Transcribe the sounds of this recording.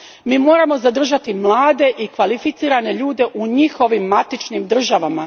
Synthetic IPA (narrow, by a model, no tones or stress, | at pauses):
miːmo̞ːɾamo̞zad̪r̩ʒat̪imlˠaːd̪e̞ʔikʋalifit̪siːɾane̞ʎuːd̪e̞ʔuɲixo̞ʋimːat̪it͡ʃnimd̪r̩ʒaʋama